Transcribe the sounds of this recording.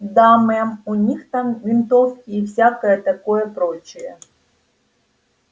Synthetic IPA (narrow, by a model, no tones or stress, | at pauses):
d̪amɛmunʲixt̪ɑmvʲint̪ofkʲiːwsʲakɐjɛt̪ɐkojɛpɾot͡ɕʊjɛ